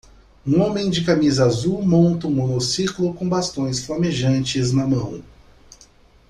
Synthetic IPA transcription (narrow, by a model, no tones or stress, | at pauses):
ũõmẽj̃d͡ʒɪkamizɐazuwmõnt̪ɐũmonosiklʊkõw̃bast̪õj̃sflameʒɐ̃nt͡ʃɪznɐmɐ̃w̃